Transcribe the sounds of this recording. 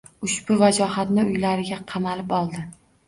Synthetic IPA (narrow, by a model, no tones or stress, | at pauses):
ʊʃbʊvad͡ʒɒɦat̪nɪʊjlaɾɪɡʲaqʰɑmalɪpɒlˠd̪ɪ